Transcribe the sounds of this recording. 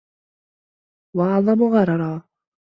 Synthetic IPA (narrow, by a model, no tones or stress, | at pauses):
wɑɑʕðˤɑmʊɣɑɾˤɑɾˤɑː